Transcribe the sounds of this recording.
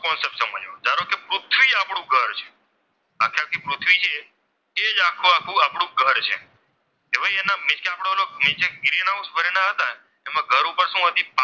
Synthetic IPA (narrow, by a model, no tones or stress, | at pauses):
kɔnsepsəməd͡ʒo̰d͡ʒaɾokepɾʊt̪ʰʋiapɽ̃ũɡʱəɾt͡ʃʰe̥ | akʰːiakʰːupɾʊt̪ʰʋit͡ʃʰe | ed͡ʒakʰːuakʰːũapɽ̃ũɡʱəɾt͡ʃʰḛ | eʋaienamɪt͡ʃkeapɽ̃onomɪt͡ʃeɡɾinaũsbəɾenaɦət̪a | emãɡʱəɾupəɾsũɦət̪ipa